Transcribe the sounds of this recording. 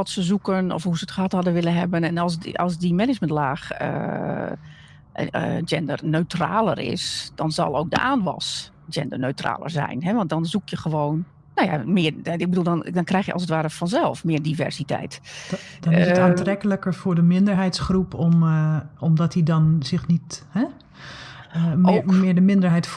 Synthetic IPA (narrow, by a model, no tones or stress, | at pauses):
ɔtsəzukənɔ̰fɦuzəətχəɦɑthɑdəʋɪlˠənɦɛ̰bənɛnɔlˠs̬ʔɑ̰lˠs̬dimɛnɪd͡ʒməntlaːxə̰ | d͡ʒɛndərnøɥtra̰ːlˠə̰rɪ̰sd̥ɔnzɑ̰lˠowk̚də̰ʔaːnʋɔ̰s | d͡ʒɛ̰ndənøɥtra̰ːlə̰ɹzɛ̰jnɦɛʋɑnt̚dɔnzukjəχəʋoːn | nowja̰mɪərɪɡ̚bədulˠdɔndɔnkrɛjxjəʔɑ̰lsətʋaːɾəfɔnzɛlˠfmɪːədivɛ̰rsitɛ̰jtdɔaːntrɛkələkəɹfʊːɹdəmɪndəɹɦɛjtsχrupɔmɔmdɔtidɔnzɪxnithɛ | omɪɹdəmɪndəɹɦɛjt